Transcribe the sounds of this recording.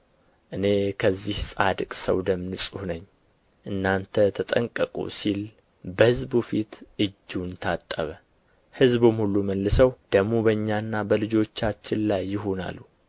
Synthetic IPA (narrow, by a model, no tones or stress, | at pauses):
ʔɨne̞kʰəzːihsʼad̪kʼsə̰wd̪əmnɨsʼuhnəɲː | ʔɨnːant̪ʰət̪ʰət̪ʼəŋkʼəkʼṵsil | bəhɨzbufit̪ʔɨd͡ʒːunt̪ʰat̪ʼːə̰βə | hɨzbɨmhulːuməlːɨsəwd̪̥əɡmo̞bəɲːanːabəlɨd͡ʒo̞t͡ʃːat͡ʃːɪnlajːɪɦo̞na̰lːu